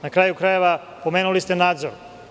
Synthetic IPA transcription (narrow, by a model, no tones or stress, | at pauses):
nakɾaːjukɾaje̞ʋa | po̞meːnulist̪enaːd̪zoɾ